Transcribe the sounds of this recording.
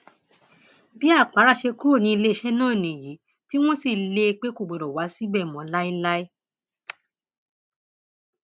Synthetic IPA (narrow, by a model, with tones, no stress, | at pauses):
bi˨˦a˦˨k͡pa˨˦ɾa˦˨ʃe˧ku˦o˦˨nĩ˧i˧le˦i˧˦ʃɛ˦nãː˦˨nĩ˨ji˨˦ | ti˦w̃ɔ̃˦si˦˨le˧k͡pe˦ko˦˨ɡ͡bo˨ɾo˨wa˨˦si˦bɛ˦˨mɔ̃˨˦la˦ĩ˦la˦i˦